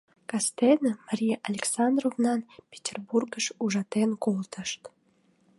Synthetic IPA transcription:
kɑst̪enəmɑɾʲijʔalʲeksɑnd̪rovnɑnpʲe̥tʲerburɡəʃuʒɑt̪enkolt̪əʃt̪

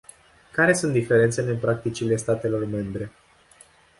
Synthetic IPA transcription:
kaɾe̞sunt̪d̪ife̞ɾe̞nt̪seleɨnpɾak̚t̪it͡ʃile̞st̪at̪e̞lo̞rme̞mbɾe̞

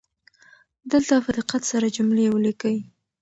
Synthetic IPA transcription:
d̪əlt̪afad̪əqat̪saɾad͡ʒʊmlejwəlikawi

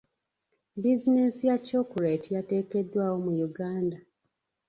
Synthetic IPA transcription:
bizinesijaco̞ːkuɾetijate̞ːke̞dːwaːwo̞mujuɡaːnda

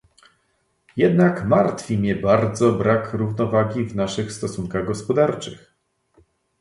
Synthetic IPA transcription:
jɛd̪nakmaɾt̪fʲimʲɛbaɾd̪zɔbɾakɾuvnɔvaɡʲivnaʂɘxst̪ɔsuŋkaɣɡɔspɔd̪aɾt͡ʂɘ̰x

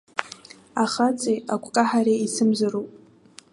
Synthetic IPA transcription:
aχat͡sʼejakʷʰʼkʼaħaɾeisɨmzarupʼ

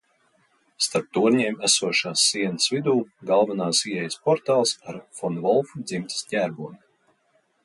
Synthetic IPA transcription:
st̪aɾp̚t̪uɔɾɲiɛmæsuɔʃaːsːiɛnəsvid̪uːɡalˠvanaːsiɛjspɔɾt̪aːlˠsaɾfɔnvɔlˠfud̪zimt̪i̥sɲʲæːɾbuɔnʲ

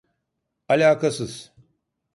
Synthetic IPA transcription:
ɐlʲaːkɐsɨs

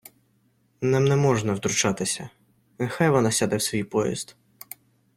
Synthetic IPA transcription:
nɛmnɛmɔʒnɐwd̪ɾʊt͡ʃɑt̪ɪsʲɐ | nexajʋɔnɑsʲad̪ɛwsʋʲijpɔjḭzd̪

